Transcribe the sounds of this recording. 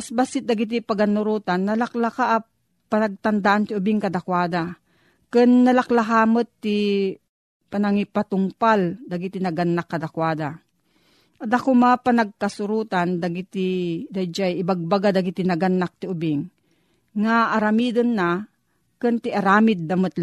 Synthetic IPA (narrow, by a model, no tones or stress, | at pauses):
asbasɪt̪̚d̪aɡɪt̪ipaɡanʊɾuːt̪anːɐlaklakaʔː | panɐɡ̚t̪ɐnd̪aʔant̪ɪʊbɪŋkɐd̪akwaːd̪a | kɨnːɐlaklaɦaːmət̪ːɪ | panɐŋipat̪ʊŋpald̪aɡit̪ɪnɐɡanːakːɐd̪akwaːd̪a | ʔɐd̪akomaapɐnaɡ̚kasʊɾuːt̪and̪aɡɪt̪ɪd̪ajd͡ʒajɪbaɡ̚baɡad̪aɡit̪ɪnɐɡanːak̚t̪ɪʊbɪŋː | aʔːɾamiːd̪onːa | kɨnt̪ɪʔaɾaːmɪd̪̚ːɐmət̪l